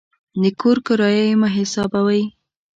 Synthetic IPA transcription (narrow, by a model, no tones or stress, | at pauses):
d̪əkʰoɾkʊɾɑjajmaɦɪsɑbawaj